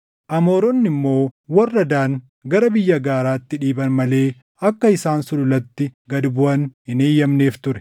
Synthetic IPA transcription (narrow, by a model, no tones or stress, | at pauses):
ʔɐmo̞ːɾɔnːɪmːo̞ːwɐrːɐd̪aːŋ | ɡɐɾɐbɪjːɐɡaːɾaːt̪ːɪᶑiːbɐnmɐle̞ː | ɐkːɐɪsaːnsʊlʊlɐt̪ːɪɡɐd̪bʊɐnhɪneːjːɐmne̞ːft̪ʊɾɛ̥